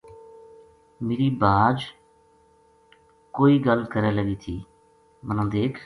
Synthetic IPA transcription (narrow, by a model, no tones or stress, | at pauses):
meːɾiːbaːd͡ʒ | koːiːɡəlkəɾẽːləɡiːt̪ʰiː | mənãːd̪eːkʰ